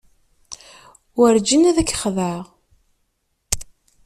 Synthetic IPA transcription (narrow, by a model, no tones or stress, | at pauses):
wəɾd͡ʒənæðækːχðəʁ